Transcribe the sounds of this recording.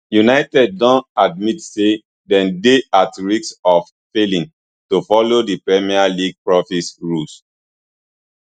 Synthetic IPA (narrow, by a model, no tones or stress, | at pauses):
junaɪtɛd̚ːɔ̃ntad̚mitse | dɛ̃ndeatɹiksɔf | felĩn | tofɔlodipɹɛmialiɡ̚pɹɔfisɹus